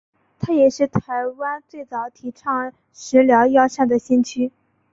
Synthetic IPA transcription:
t̪ʰa˥jɛ˨˩ʂɻ̩˥˩t̪ʰa˧˥ɪwa˥nt͡swe˥˩ɪt͡sɑ˨˩˦ʊt̪ʰi˨˩ʈ͡ʂʰɑ˥˩ŋ | ʂɻ̩˧˥ljɑ˧˥ʊjɑ˥ʊʂa˥˩nd̪ə˩ɕɛ˥nt͡ɕʰy˥

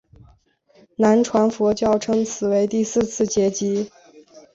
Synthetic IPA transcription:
na˧˥nʈ͡ʂʰwa˧˥nfwɔ˧˥t͡ɕjɑ˥˩ʊʈ͡ʂʰɤ˥ŋt͡sʰɹ̩˨˩we˧˥ɪt̪i˥˧sɹ̩˥˧t͡sʰɹ̩˥˩t͡ɕjɛ˧˥t͡ɕi˧˥

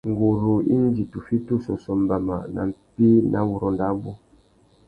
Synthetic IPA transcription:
ŋ˨ɡo˨ɾu˨ḭ˦n˦d͡ʒi˨tu˨fi˦tu˦sɔ˨sɔ˨m˦ba˨ma̰˨na̰˨m̩˨pi˦nʔa̰˨˦wu˨ɾɔ˨nda˦bu˦

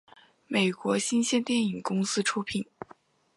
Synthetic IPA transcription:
me˨˩ɪkwɔ˧˥ɕi˥nɕjɛ˥nt̪jɛ˥˩ni˨˩ŋkʊ˥ŋsɹ̩˥ʈ͡ʂʰu˥pʰi˨˩˦n

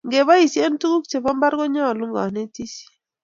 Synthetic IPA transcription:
ŋɡe˨ba˦i˨sje˦n˦tu˦ku˦k̚t͡ʃe˨pɔ˦mba˦ɾɡɔ˦ɲɔ˦˨lu˦ŋɡɔ˨ne˦ti˦si̥˨

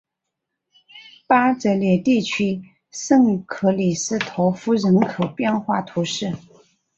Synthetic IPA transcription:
pa˥t͡sə˧˥ɪljɛ˨˩t̪i˥˩t͡ɕʰy˥ | sɤ˥˩ŋkʰɤ˧˥li˨˩sɹ̩˥˩t̪ʰo˧˥ʊfu˥ɻə˧˥nkʰɤ˨˩ʊpjɛ˥˧nxwa˥˩t̪ʰu˧˥ʂɻ̩˥˩

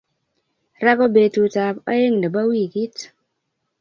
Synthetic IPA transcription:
ɾa˦ko˦be˨tu˨ta˨pa̰˦je˦ŋda˨ba˦wi˦˨ki˦t

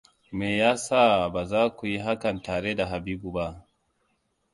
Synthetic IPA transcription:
me˨ja˦sa˦ba˨za˦ku˨ji˦ɦa˦ka˨nta˨ɾe˦da˨ɦa˨bi˦bu˨ba˦˨

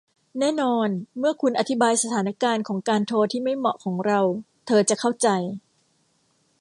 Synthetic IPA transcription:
nɛː˥˩nɔː˧nmɯ˥˩ɐkʰu˧nʔa˨˧t̪ʰi˦˥baː˧jsa˧t̪ʰaː˩˦na˦˥kaː˧nkʰɔː˩˦ŋkaː˧nt̪ʰoː˧t̪ʰiː˥˩ma˥˩jmɔ˨˩ʔkʰɔː˩˦ŋɾa˧w | t̪ʰɤː˧t͡ɕa˨˩kʰa˥˩wt͡ɕa˧j

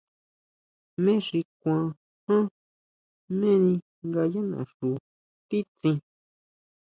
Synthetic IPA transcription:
mẽ˦ʂi˧kʷã˨ | hã˦ | mẽ˦nĩ˧ | ŋɡa˧ja˦nã̰˨ʂu˨ | t̪i˦t͡sĩ˧

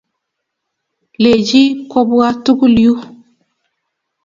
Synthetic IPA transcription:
le˨d͡ʒi˦kɔ˦bu˦a˦tu˦ku˦li˨u˦

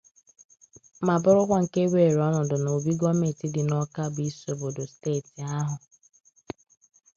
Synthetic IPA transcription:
ma˨bʊ˦ɾʊ˦kʷa˦ŋ̩˨ke˦we˨ɾɔ˦nʊ˨dʊ˨no˨bi˦ɡɔ˦me˨ti˦dɪ˨nɔ˦ka˦bi˦so˨bo˨dʊ˨steː˦˨ti˨a˦ɦʊ˨

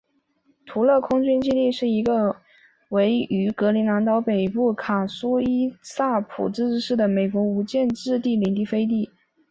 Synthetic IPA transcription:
t̪ʰu˧˥lɤ˥˧kʰʊ˥ŋt͡ɕy˥nt͡ɕi˥˧li˥˧ʂɻ̩˥˩i˧˥ɡə˧ | we˧˥ɪy˧˥kɤ˧˥li˧˥na˧˥nt̪ɑ˧˥ʊpe˨˩ɪpu˥˩kʰa˨˩su˥i˥sa˥˩pʰṵ˨˩ʈ͡ʂɻ̩˥˧˥ʂɻ̩˥˩d̪ə˩me˨˩ɪkwɔ˧˥u˧˥t͡ɕjɛ˥˧nʈ͡ʂɻ̩˥˧t̪i˥˩li˨˩ŋt̪i˥˩fe˥ɪt̪̬i˥˩

